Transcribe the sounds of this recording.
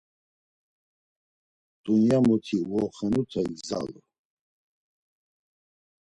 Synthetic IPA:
t̪ʼunjamɔt̪ʰiwɔχɛnut̪ʰɛɡza̰l

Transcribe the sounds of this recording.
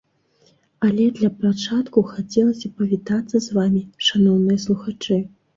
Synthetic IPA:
ɐlʲɛd̪lʲɐpɾat͡ʂat̪kuxat͡sʲɛlˠɐsʲɐpɐvʲit̪at̪sːɐzvamʲiʂanɔwnɨjɐslˠuxat͡ʂɨ

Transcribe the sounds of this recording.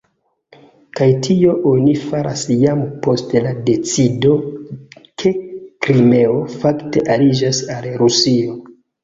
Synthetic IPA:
kajtʰio̞ʔonifaɾʔa̰sjampo̞stlade̞t͡sido̞ | kʰe̞kɾime̞o̞fakte̞ʔalid͡ʒasalɾusio̞

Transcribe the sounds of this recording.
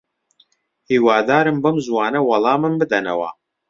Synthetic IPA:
hiːwaːd̪aːɾɨmbɐmzwaːnɐwɐlˠɑːmɨnbɨd̪ɐnɐ̰wɐ̰

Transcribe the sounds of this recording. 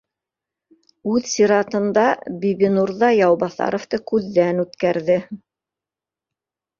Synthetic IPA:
ʉðsʲiɾɑt̪ɤ̆nd̪ɑbiβinuɾðɑjɑwbɑθɑ̰ɾŏft̪ɤkʉðːænʉt̪kæɾðɘ

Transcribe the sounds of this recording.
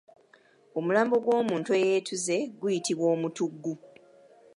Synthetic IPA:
o̞mulaːmbo̞ɡwo̞ːmuːntuejeːtʰuze̞ɡujitiβwo̞ːmutuɡːu

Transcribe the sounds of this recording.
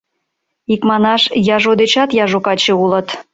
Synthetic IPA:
ikmɑnɑʃjɑʒod̪et͡ɕɑt̪jɑʒokɑt͡ɕĕulə̆t̪

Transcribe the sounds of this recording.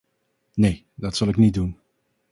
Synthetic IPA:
neː | dɑtsɑlˠɪknidun

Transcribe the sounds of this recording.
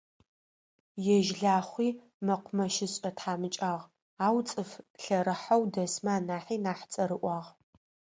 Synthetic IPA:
jɛʒɮaːχʷiː | mɐqʷʰʊmɐʃɪɕʼɐtħaːmɨt͡ʃʼaːʁ | aːwt͡sʼɨfɬɐɾɨħawdɐsmaːnaːħiːnaːħt͡sʼɐɾɨʔʷɑːʁ

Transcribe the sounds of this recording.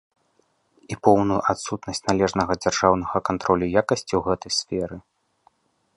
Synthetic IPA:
ipɔwnujuʔat̪sut̪nɐsʲt͡sʲnalʲɛʐnɐɣɐd͡zʲarʐawnɐɣɐkant̪ɾɔlʲujakɐsʲt͡sʲiwɣɛt̪ɐjsfʲɛɾɨ

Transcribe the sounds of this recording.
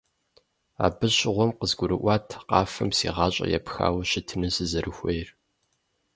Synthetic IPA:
a̰ːbɨɕɪʁʷɔmqəzɡʷʊɾɨʔʷɑːtʰqɑːfɐmsḭːʁɑːɕʼɐ̰jɛ̰pxa̰ːwɕɪtʰɨnɨsɨzɐɾʔɨxʷejr

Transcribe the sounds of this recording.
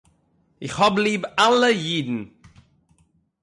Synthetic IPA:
ɪxhɔbliːbaləjiːd̪n̩

